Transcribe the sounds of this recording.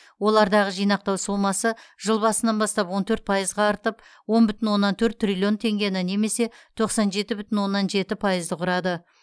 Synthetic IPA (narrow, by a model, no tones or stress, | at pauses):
wo̞lˠɑɾd̪ɑʁəʒijnɑq̚t̪ɑwsolˠmɑsəʒ̥əlˠbɑsənɑnbɑst̪ɑpwo̞nt̪ʰɵɾt̪̚pʰɑjəzʁɑːɾt̪əpwo̞nbʏt̪ɪnwo̞nːɑnt̪ʰɵɾt̪ːrʲilʲio̞nt̪ʰe̞ŋɡʲenɑne̞me̞se̞t̪ʰo̞qsɑnʒe̞t̪ɪbʏt̪ɪnwo̞nːɑnʒe̞t̪ɪpʰɑjəzd̪əqʰʊɾɑd̪ə